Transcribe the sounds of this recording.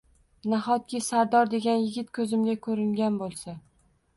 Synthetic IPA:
naχɒt̪̚kʲɪsaɾd̪ɒɾd̪e̞ɡʲanjɪɡʲɪt̪̚kʰɵzɪmɡʲakʰɵɾɪŋɡʲanbolˠsa

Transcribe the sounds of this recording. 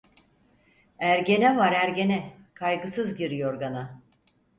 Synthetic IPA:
æɾɟe̞nɛvaɾæɾɟe̞nɛkʰajɡɯsɯzɟiɾijo̞ɾɡana

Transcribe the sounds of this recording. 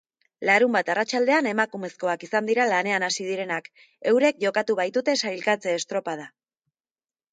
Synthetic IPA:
laɾumbat̪arat͡ʃald̪e̞ane̞makume̞sko̞akisand̪iɾalane̞anasiðiɾe̞nak | e̞wɾe̞k̚ʝo̞kat̪uβ̞ajt̪ut̪e̞sajlkat͡se̞ːst̪ɾo̞pað̞a

